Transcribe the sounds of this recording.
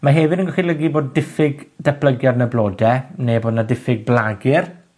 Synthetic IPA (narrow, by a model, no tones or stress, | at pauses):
maɦɛvɪdənɡɔχilˠəɡiboːdːɪfɪɡd̥ɛpʰləɡjadnəblˠoːdɛneboːdnadɪfɪɡ̚blaɡɪr